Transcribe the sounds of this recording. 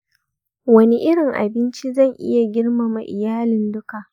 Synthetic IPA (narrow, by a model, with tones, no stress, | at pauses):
wɐ˦ne˦ʔɪ˦ɽɪ˨ŋʔa̰˨bɪ˦nt͡ʃi˦zɐ˦˨ŋʔɪ̰˦ja˨ɡʲɪ˦rma˨ma˨ʔɪ˨jaː˦lɪ˨ndʊ˦ka˨ʔ